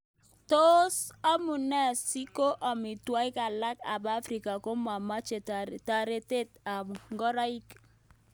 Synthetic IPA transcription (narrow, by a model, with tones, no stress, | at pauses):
to˦sa˦mu˨nɛ˦˨si˦ko˦ʔɔ˨mɪ˨twa˦ɪ˦ka˨la˦ka̰˨ba˦fɾi˨ka˨ko˦ma˨ma˦t͡ʃe˨ta˨ɾe˨te˦˨t̚a˨m˨ŋɡɔ˦ɾa˦i˦k